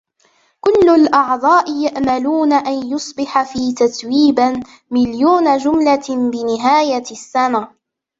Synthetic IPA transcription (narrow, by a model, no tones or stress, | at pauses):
kʊlːʊlʔɑʕd̪ˤɑːʔɪjaʔmaluːnaʔanjʊsˤbɪħafiːt̪at̪wiːba | mɪljuːnad͡ʒʊmlabɪnɪɦaːjasːana